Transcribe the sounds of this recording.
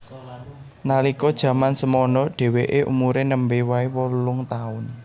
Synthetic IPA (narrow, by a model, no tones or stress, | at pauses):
nalikɔd̥ʒ̥ä̤mansəmɔnɔɖ̥e̤weʔeʔṵmuɾenəmbewaiwɔlʊŋt̪aʊn